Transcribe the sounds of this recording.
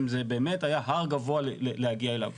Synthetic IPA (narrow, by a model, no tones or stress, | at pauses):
mzebeːme̞tajaɦaʁɡavoalelehaɡiaela̰v